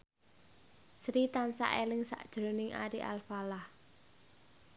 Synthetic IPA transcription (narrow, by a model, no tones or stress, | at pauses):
sɾit̪ansa̰ʔelɪŋsa̰ʔd̥ʒ̥ɾonɪŋʔa̰ɾiʔa̰lfalah